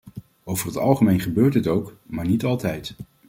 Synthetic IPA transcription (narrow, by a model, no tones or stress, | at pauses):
owvərɦətɑlˠχəmejnχəbøːɹtɦətowkmaːɹnitɑlˠtɛjt